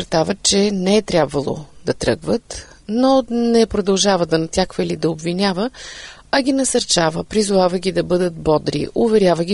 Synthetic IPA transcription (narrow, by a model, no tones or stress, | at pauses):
ɾt̪avət͡ʃɛnɛɛt̪ɾʲjabvɐlˠo̰d̪ɐt̪ɾɤ̰ɡvət̪ | nonɛpɾod̪ɐlˠʒavəd̪ɐnɐt̪ʲjakvəilid̪ɐobvinʲavə | ɐɡʲinɐsɐɾt͡ʃavəpɾizʊvavəɡʲid̪ɐbɤd̪ət̪̚bɔd̪ɾḭʔʊvɛɾjavəɡʲi